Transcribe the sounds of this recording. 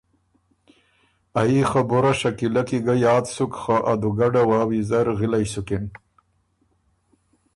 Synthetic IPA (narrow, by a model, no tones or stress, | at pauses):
aixaboɾaʃakilakiɡajɑːd̪sukχaʔad̪uɡaɖawaːwizaɾɣilajsukin